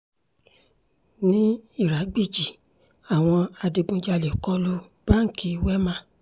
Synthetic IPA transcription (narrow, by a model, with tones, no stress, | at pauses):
nĩ˦i˦˨ɾa˨˦ɡ͡bi˦˨d͡ʒi˨ | a˨w̃ɔ̃˧a˧di˧ɡ͡bũ˧d͡ʒa˧le˨kɔ˦lo˧ | b̥a˦ŋ̩˨˦ki˧wɛ˦mã˦